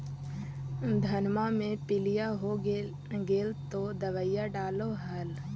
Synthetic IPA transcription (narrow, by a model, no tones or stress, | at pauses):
d̪ʱɐnmamẽpɪlijaɦo | ɡeːlt̪od̪əʋəjaɖaːloɦəl